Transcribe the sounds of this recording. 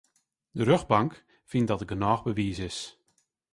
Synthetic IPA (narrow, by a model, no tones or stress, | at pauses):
dəɾøɣbɑŋk | fɪnt̚dɔtəɡənɔːxbəʋiːsɪs